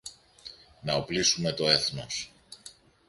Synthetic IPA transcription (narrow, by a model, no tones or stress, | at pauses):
nɐoplisume̞t̪o̞e̞θnos